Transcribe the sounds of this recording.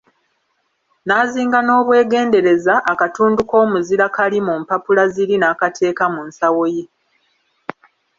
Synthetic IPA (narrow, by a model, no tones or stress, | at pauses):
naːziːŋɡano̞ːβwe̞ːɡe̞ːnde̞ɾe̞zaʔːkatuːnduko̞ːmuziɾakalimumpapulaziɾinaːkatʰe̞ːkamunsawo̞je